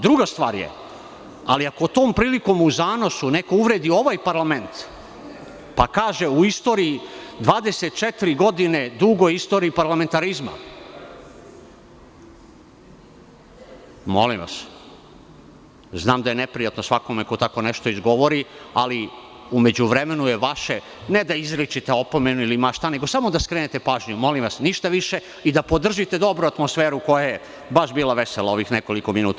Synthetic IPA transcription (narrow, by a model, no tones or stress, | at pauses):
d̪ɾuɡast̪ʋaːɾjḛ | a̰liako̞t̪oːmpɾiːliko̞muzaːno̞sunekouʋɾeːd̪io̞ʋajpaɾlame̞nt̪ | pakaːʒeuist̪o̞ːɾiid̪ʋaːd̪eset̪̚t͡ʃet̪iɾiɡo̞d̪ine̞d̪uɡojist̪oːɾiːpaɾlament̪aɾizma̰ | molḭmʋa̰s | znaːmd̪aje̞nepɾijat̪nosʋako̞meko̞t̪ako̞neʃt̪oizɡo̞ʋo̞ɾia̰li | ume̞d͡ʑuʋɾemenujeʋaʃe | ned̪aizɾit͡ʃit̪eo̞po̞me̞nuilimaʃt̪ane̞ɡo̞samod̪askɾenet̪epaːʒɲumo̞limʋasniʃt̪aʋiʃe̞ | id̪apo̞d̪r̩ʒit̪e̞d̪o̞bɾuat̪mosfeːɾuko̞jaje | baʃbiːlˠaʋeselˠao̞ʋixneko̞liko̞minuːt̪a